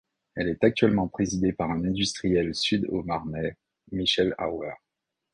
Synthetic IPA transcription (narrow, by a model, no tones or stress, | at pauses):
ɛlɛt̪ak̚t̪ɥɛlmɑ̃pχezid̪epaʁɛ̃nɛ̃d̪yst̪χijɛlsyd̪o̰maʁnɛ | miʃɛla̰wɛʁ